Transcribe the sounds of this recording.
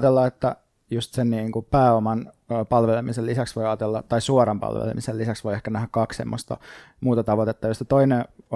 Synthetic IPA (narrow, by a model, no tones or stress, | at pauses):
t̪elːɑet̪ːæ | just̪senniːŋkupæːomɑnː | pɑlʋelemiselisæksʋoiɑːt̪elːɑt̪ɑisuorɑmpɑ̰lʋḛlḛmisellisæksʋoiehkænæhækkɑkssemːo̰st̪ɑ̰ | muːt̪ɑt̪ɑʋot̪et̪ːɑjostːet̪oine